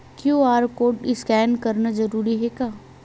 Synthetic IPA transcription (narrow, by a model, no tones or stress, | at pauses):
kjõːaːɾkoːʈɪskɛːnkɐɾnazɐɾuːɾiɦɛkaː